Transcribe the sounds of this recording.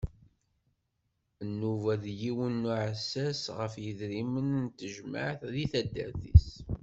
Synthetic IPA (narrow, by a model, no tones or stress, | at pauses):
ənːuvæðjiwənːuʕəsːæsʁəfjəðɾimənnt̪ːəʒmə̰ʕθðiθæd̪ːə̰ɾθḭs